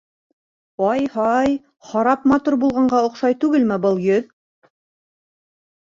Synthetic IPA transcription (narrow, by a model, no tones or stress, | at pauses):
ɑjhɑj | χɑɾɑp̚mɑt̪uɾbulˠʁɑɴɢɑŏqʃɑjt̪ʉɡɘlmɘbɤlˠjɵð